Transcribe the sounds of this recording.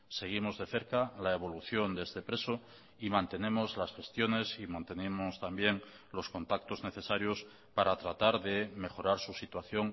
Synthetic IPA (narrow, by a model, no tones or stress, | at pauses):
se̞ɣ̞imo̞zðe̞θe̞ɾkalaeβ̞o̞luθjo̞nd̪eszt̪e̞pɾe̞so | imãnt̪e̞ne̞mo̞zlasxe̞st̪jo̞ne̞simãnt̪e̞nemost̪ambje̞ŋ | lo̞sko̞nt̪ak̚t̪o̞zne̞θe̞saɾjo̞s | paɾat̪ɾat̪aɾðe̞me̞xo̞ɾaɾsusit̪waθjo̞ŋ